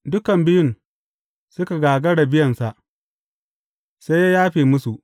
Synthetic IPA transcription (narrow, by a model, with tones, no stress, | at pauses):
dʊ˦kɐ˨mbɪ˦jʊ˦n | sʊ˦ka˨ɡaː˨ɡɐ˦ɽa˨bɪ˦jɐ˨nsa˨ʔ | sa˦jːa˦jaː˦ɸeː˨mʊ˦su˨ʔ